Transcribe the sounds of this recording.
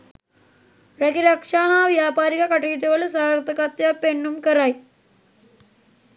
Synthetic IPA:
ɾɐkiɾɐkʂaːɦaːʋjaːpaːɾikɐkɐʈiːʈ̪eʋɐlesaːɾt̪ɐkaːt̪japeɳːumkɐɾaːj

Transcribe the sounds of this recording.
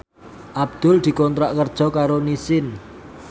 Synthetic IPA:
ʔab̚d̪̥ʊ̤ld̪̥i̤kɔnt̪ɾaʔkərd̥ʒ̥ɔ̤kaɾonisɪn

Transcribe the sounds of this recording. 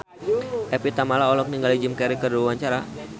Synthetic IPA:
ʔɛpit̪amalaɔlɔk̚niŋɡalid͡ʒɪmkɛɾikərduwawaɲt͡ʃaɾa

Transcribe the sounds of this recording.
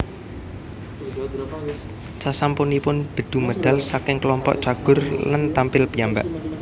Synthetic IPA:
t͡ʃasampunipʊnb̥ə̤d̪̥uməd̪̥a̤lsakɪŋkəlɔmpɔ̰ʔt͡ʃaɡ̥ʊ̤rlant̪ampɪlpijamba̰ʔ

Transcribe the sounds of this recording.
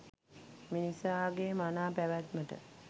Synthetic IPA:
minisaːɡeːmanaːpæʋæt̪məʈə̰

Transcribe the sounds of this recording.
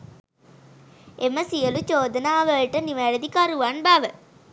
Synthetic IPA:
eməsijəlut͡ʃoːd̪ənaːʋəɭʈəniʋæɾəd̪ikaɾuʋanbaʋə

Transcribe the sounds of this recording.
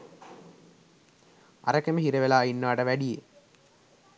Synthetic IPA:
a̰ɾɐkemiɦiɾeʋelaːinːʋaːʈɐʋæɖije

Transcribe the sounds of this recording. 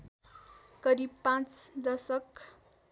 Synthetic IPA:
kʌɾibpãt͡sd̪ʌsʌk

